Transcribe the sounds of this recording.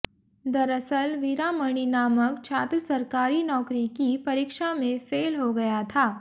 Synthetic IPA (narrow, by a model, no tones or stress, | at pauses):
d̪ɐɾəsəlʋɪɾaməɽ̃inaːməkt͡ʃʰaːt̪ɾəsɐɾkaːɾinɔːkɾikipɐɾikʃamẽfeːlɦoɡɐjat̪ʰaː